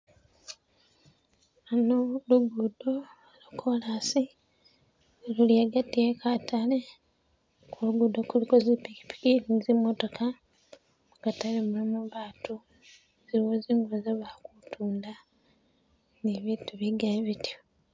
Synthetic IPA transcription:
anoluɡudo | lukʰolasi | luliaɡatiekʰatale | kuluɡudo̞kulikozipiki̥pi̥kilizimoto̞kʰa | mukatalemulimuβaːtu | ziɾiwoziːŋɡuozaβakutʰuːnda | niβiːtuβiɡaeβitjo

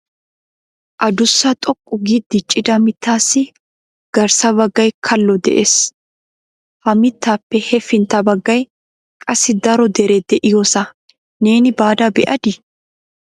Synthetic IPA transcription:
ʔɐd̪ʊsːɐt̪ʼɔkʼːʊɡid̪ɪt͡ʃʼːɪd̪ɐmɪt̪ːaːsːɪ | ɡ̥ɐɾsɐbɐɡːɐjkʰɐlːɔd̪ɛ̰ʔeːs | hɐmɪt̪ːaːpːɛhɛfɪnt̪ːɐbɐɡːɐj | kʼɐsːɪd̪ɐɾɔd̪ɛɾɛd̪ɛʔɪjoːsɐ | neːnɪbaːd̪ɐbɛʔɐd̪ɪ

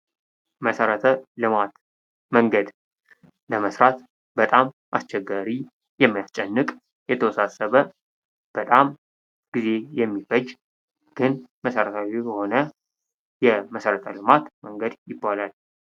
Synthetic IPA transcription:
məsəɾət̪ʰəlɨmat̪ | məŋɡəd̪ | ləməsɾat̪ | bət̪ʼam | ʔa̰st͡ʃːɛɡaɾi | jɛmːijast͡ʃʼɛnːɨkʼ | jɛt̪ʰəwɔsasəβə | b̥ət̪ʼam | ɡ̥ize̞jɛmːifəd͡ʒ | ɡ̥ɨnməsəɾət̪ʰawijəho̞nə | jɛməsəɾət̪ʰəlɨmat̪məŋɡəd̪jɪbːalal

